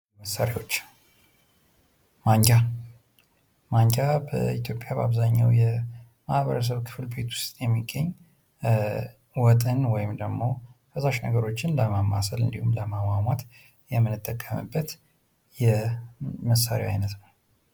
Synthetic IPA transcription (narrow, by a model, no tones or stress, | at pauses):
məsːaɾewo̞t͡ʃː | maɲd͡ʒa | maɲd͡ʒabə̰it̪ʰjo̞pʼjaba̰βzaɲːa̰wjɛ | mahβəɾəs̬əβkʰɨ̥flbe̞t̪wʊ̥st̪ʼjɛmːiɡːəɲː | wɔt̪ʼənwɔjɪmd̪əɡmo̞fəsaʃnə̰ɡəɾo̞t͡ʃːɪnləmamːasəlɨnd̪ihumləmamamat̪ | jɛmːɨnːɨt̪ʰʼːəkʰʼːəmɨ̰bːət̪ | jɛ | məsːaɾḭa̰jnət̪nəw